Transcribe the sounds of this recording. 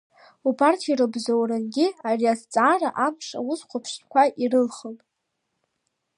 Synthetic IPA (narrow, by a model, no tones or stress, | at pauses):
upʰartʰirɨbzowrɨnɡʲɪariast͡sʼaːraʔapʰʂa̰wʊsqʷʰapʰʂtkʷʰaʔirɨlχəltʼ